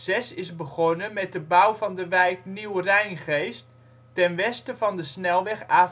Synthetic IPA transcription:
zɛsɪzbəχɔnəmɛt̚dəbawvɑndəʋɛjkniwrɛjnχejstː | ɛnʋɛstəvɑndəsnɛlˠʋɛχaː

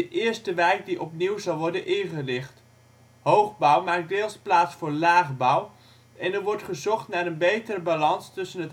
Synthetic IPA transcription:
əʔɪːəɹstəʋɛjk̚diʔɔpniwzɑlˠʋɔɹdənʔɪχərɪχt | howχbʌwmaːk̚dɪːlˠsplaːtsfʊːɹlaːχbʌw | ɛnəɹʋɔɹtχəzɔχtnaːɾənbejtəɾəbalɑnstɵsənət

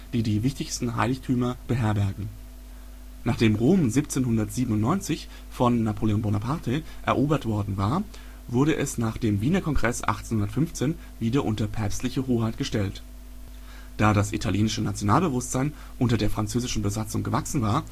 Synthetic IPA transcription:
d̥iːdiːvɪçtɪçstn̩ɦa̰ɪlɪçtʰyːmɐb̥əɦɛɐbɛɐɡŋ̩ | naːχd̥eːmʁoːmziːp̚t͡seːnhʊndɐtz̥iːbmn̩ʊntnɔʏnt͡sɪç | fɔnːapʰoːleoːnbonapʰaɐtʰeʔɛ̰ɐʔoːbɐtv̥ɔɐdn̩vaːɐ | vʊɐɾəʔɛsnaːχd̥eːmviːnɐkʰɔŋɡʁɛsʔa̰χtt͡senhʊndɐtfʏnft͡seːn | viːdɐʔʊntɐpʰɛɐpstlɪçəɦoːhaɪtɡ̥əʃtɛlt | d̥aːɾasʔḭtʰaljeːnɪʃənat͡sjonaːlbəvʊstz̥aɪn | ʔʊntɐdeːɐfʁ̥ant͡søːzɪʃn̩bəzat͡sʊŋɡəvaksn̩vaːɐ

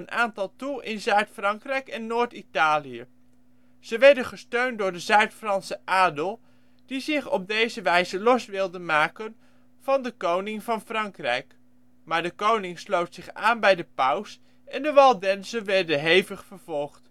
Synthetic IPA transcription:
ənaːntɑlˠtulˠɪnzœɥtfrɑŋkrɛjkɛnːoːɹtitaːliə | z̥əʋɛɹdənχəstøɥntdʊːɹdəzœɥtfrɑnsəʔaːdəlˠ | d̥izɪχɔ̰b̚dejzəʋɛjzəlɔsʋɪlˠdənmaːkən | v̥ɑndəkownɪŋvɑnfrɑŋkrɛjk | maːɹdəkownɪŋslowtsɪχaːnbɛjdəpʌws | ɛndəʋɑlˠdɛnsənʋɛɹdəɦejvəχfəɹv̥ɔlˠχt

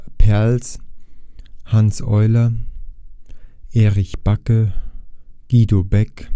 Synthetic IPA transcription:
pʰɛɐls | hansʔɔʏlɐ | ʔeːʁɪçb̥akə | ɡ̥iːdobɛk

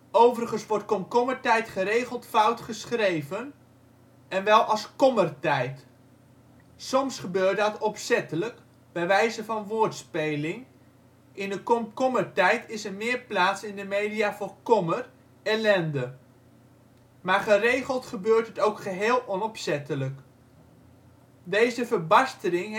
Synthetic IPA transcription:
owvəɾəχənsʋɔɹtkɔmkɔməɹtɛjtχəɾejχəlˠtfʌwtχəsχrejvən | ɛnʋɛlˠɑskɔmərtɛjt | sɔmsχəbøːɹt̚dɑtɔpsɛtələk | b̥ɛjʋɛjzəvɑnʋʊːɹtspejlɪŋ | ɪndəkɔkɔməɹtɛjtɪsəɹmɪːɹplaːtsɪndəmejdijaːvʊːɹkɔmər | ɛlɛndə | maːɹχərejχəlˠtχəbøːɹtɦətowkχəɦeːlˠʔɔnɔpsɛtələk | dejzəvəɹbɑstəlɪŋɦ

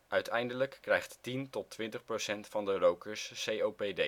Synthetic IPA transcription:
ʔœɥtʰɛjndələkːrɛjχttintɔtʋɪntəχprowsɛntfɑndərowkəɹssejowpede

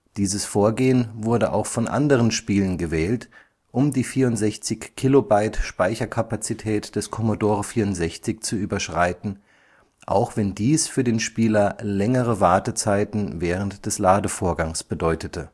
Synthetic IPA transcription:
d̥iːzəsfoːɐɡeːənvʊɐdəʔa̰ʊxfɔnʔa̰ndəʁənʃpiːlənɡəvɛːlt | ʔʊmdiːfiːɐʊntz̥ɛçt͡sɪçkʰilobaɪtʃpaɪçɐkʰapat͡sitʰɛːtd̥ɛskʰɔmodoːʁəfiːɐʊntz̥ɛçt͡sɪçt͡suʔyːbɐʃʁ̥aɪtn̩ | ʔa̰ʊxv̥ɛndiːsfyːɐdeːnʃpiːlɐlɛŋəʁəvaɐtət͡saɪtn̩vɛːʁəntd̥ɛslaːdəfoːɐɡaŋsb̥ədɔʏtətʰə

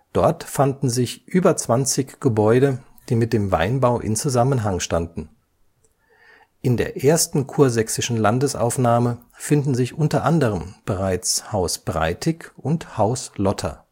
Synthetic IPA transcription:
d̥ɔɐtfandn̩zɪçʔyːbɐt͡sv̥ant͡sɪçɡ̥əbɔʏɾə | d̥iːmɪt̚d̥eːmva̰ɪnbaʊʔɪ̰nt͡suzamənɦaŋʃtandn̩ | ʔɪndḛːɐʔeːɐstn̩kʰuːɐzɛksɪʃn̩landəsʔa̰ʊfnaːmə | fɪndn̩zɪçʔʊntɐʔandəʁ̞əmb̥əʁaɪt͡shaʊsb̥ʁa̰ɪtʰɪkʔʊnthaʊslɔtʰɐ̰

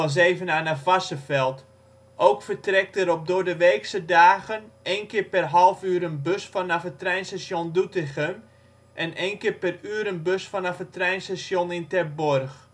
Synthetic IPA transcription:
ɔs̬eːvənaːnafasəfɛlˠt | ʔowkfərtrɛk̚təɾɔp̚dʊədəʋeːksədaːɣənejnkɪːɹpɛrɦalˠfyːɾənbøsfɔnafətrɛjnstasjondutɪxəm | ʔɛnejnkɪːpɛryːɾənbøsfɔnafətrɛjnstasjonɪntɛbɔrx

